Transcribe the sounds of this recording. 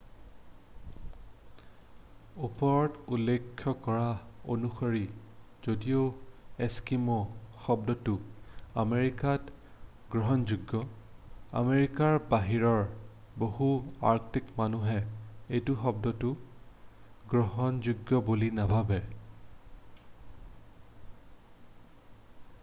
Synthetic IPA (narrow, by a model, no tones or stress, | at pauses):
upɔɹɔtulːekʰːɔkɔɹaonuxoɹi | z̥odioeskimɔxɔbdɔtʊameɹikat | ɡ̥ɹɔɦɔnzuɡːɔ | a̰meɹikaɹbaɦiɹɔɹ | bohuaɹktikmanuɦɛejtʊxɔb̚dɔtʊ | ɡɹɔɦɔnzuɡːɔbulinabʱabɛ